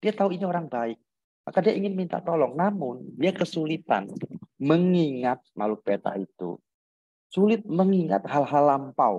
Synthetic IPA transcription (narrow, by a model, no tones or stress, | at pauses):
d̥iat̪auinioɾaŋbaɪk̚ | ma̰kadiaiŋɪnmint̪a̰ʔt̪olɔŋnamʊndiakəsulit̪a̰nməŋiŋat̪̚ma̰luk̚bet̪a̰it̪ṵ | sulɪt̪̚məŋiŋa̰t̪̚halɦalːampau